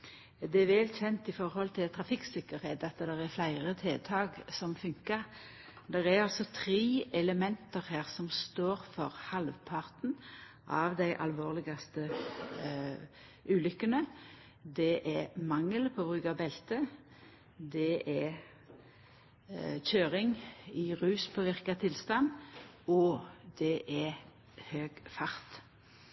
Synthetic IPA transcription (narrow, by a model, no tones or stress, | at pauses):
d̪ɛɛʋɛlçɛnt̪ɪfɔʁhɔlt̪ʰɪlt̪ʰɾɑfɪksɪkəɾheːt̪ɑt̪d̪ɛʁɛflæɪʁət̪ʰeːt̪ʰɑːɡsɔmfʉŋkə | d̪ɛʁɛɾɑlsɔt̪ʰɾeːʔɛləmɛnt̪əʁhæːʁsɔmst̪oːʁfɔʁhɑlʋpʰɑʁt̪n | ʔɑʋd̪æɪʔɑ̰lʋoːʁlɪɡɑst̪ə | ʉːlʏkːənə | d̪ɛʔɛmɑŋːəlpʰɔːbʁʉːɡɑbɛlt̪ə | d̪ɛʔɛ | çøːʁɪŋɪʁʉːspʰoʋɪʁkɑt̪ʰɪlst̪ɑn | ɔd̪ɛʔɛ | høːɡfɑʁt̪